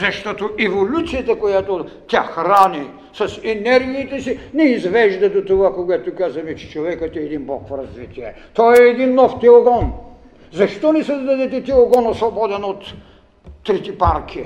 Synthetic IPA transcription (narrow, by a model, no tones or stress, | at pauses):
zɐʃt̪ɔt̪oɛvolʲut̪sijɐt̪ɐkojat̪ot̪ʲaxɾani | sɐsɛnɛɾɡʲiːt̪ɛsinɛizvɛʒd̪ɐd̪ot̪ovakoɡat̪okazɐmɛt͡ʃɛ̥t͡ʃovɛkət̪ɛːd̪inbɔkfɾɐzvit̪iɛt̪ɔɛːd̪inːɔft̪ɛlˠoɡɔn | zɐʃt̪ɔnɛsɐzd̪ad̪ɛt̪ɛt̪ɛlˠoɡɔnɐsvobɔd̪ɛnot̪ː | ɾit̪ipaɾkʰi